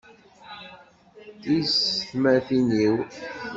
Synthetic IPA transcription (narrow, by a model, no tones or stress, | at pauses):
isəθmæθiniw